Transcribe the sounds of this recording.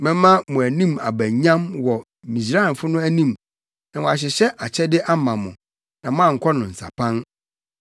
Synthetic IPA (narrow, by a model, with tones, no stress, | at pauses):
mɪ̃˦mã˦mʊ̃˨æ˨nĩ˦ma̰˨bæ̃˨ɲã˦mwɔ˨ | mĩ˨sɾa˦˨n˨fʊ˦nʊ̃˦æ˦nĩ˦˨m | nã˨wʊ̃˨a˨ɕ̬ɪ˨ɕɛ˦ʔa˨t͡ɕʰɛ˦dɪ˦ʔa˦mã˨mʊ̰̃˨ | nã˨mʊ̃˦ã˦˨ŋ̩˨kʰɔ˦nʊ̃˨n̩˨sa̰˨pʰã˦n